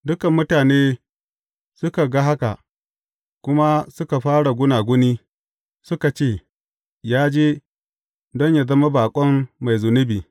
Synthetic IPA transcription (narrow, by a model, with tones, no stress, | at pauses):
dʊ˦kɐ˨mːʊ˦taː˨neː˦ | sʊ˦ka˨ɡa˦ɦa˦ka̰˨ | kʷʊ˦ma˦sʊ˦ka˨ɸaː˦ɽa˨ɡʷʊ˦naː˨ɡʷʊ˦niː˦ | sʊ˦ka˨t͡ʃeː˦˨ | jaː˦d͡ʒeː˦ | dɔ˦ɲja˨zɐ˦ma˦baː˨kʷʼɔ˦mːa˨jzʊ˨nʊ˦biː˨